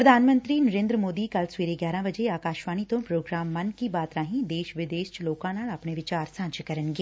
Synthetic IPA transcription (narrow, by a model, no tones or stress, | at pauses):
pɾəd̪ʱaːnmə̃nt̪ɾiːnəɾẽːnd̪ɾəmoːd̪iːkəlsʊʋeːɾeːɡjaːɾãːʋəd͡ʒeːaːkaːʃʋaːnit̪õːpɾoːɡɾaːmːənkiːbaːt̪ɾãːɦĩːd̪eːʃʋɪd̪eːʃloːkãːnaːlaːpɳeːʋɪt͡ʃaːɾsãːd͡ʒkəɾənɡeː